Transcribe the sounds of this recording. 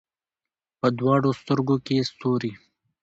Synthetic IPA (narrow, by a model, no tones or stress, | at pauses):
pəd̪wɑɽost̪əɾɡokest̪oɾi